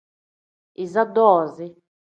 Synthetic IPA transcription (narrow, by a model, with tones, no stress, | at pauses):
i˨za˦d̪ɔː˨zi˦